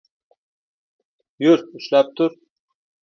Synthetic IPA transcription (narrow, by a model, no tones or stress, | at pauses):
jʊɾʊʃlap̚t̪ʰʊɾ